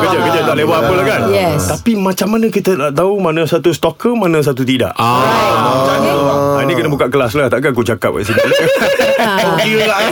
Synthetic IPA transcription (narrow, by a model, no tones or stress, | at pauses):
kəd͡ʒakəd͡ʒat̪aʔlewaapəlahkanjɛst̪apimãt͡ʃamːanə̃kit̪ədaʔt̪aumanãsat̪ust̪ɔkəmanãs̬at̪ut̪ida̰ʔ | t͡ʃaɲəaanĩkənəbukaʔkəlaslaht̪aʔkakut͡ʃaka̰p̚ka̰ʔsinil | uɡiəla